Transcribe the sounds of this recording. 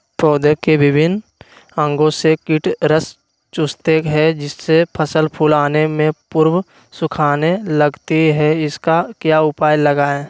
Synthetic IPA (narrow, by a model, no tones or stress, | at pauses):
pɾoːd̪əkebɪbʱɪn | ə̃ŋɡõsekɪʈɾəs | t͡ʃʊst̪eɦɛd͡ʒɪsːepʰəsəlpʰulaːnemẽpʊɾw | sʊkʰaːneləɡt̪iɦɛɪskakjaʊpaːjləɡaːe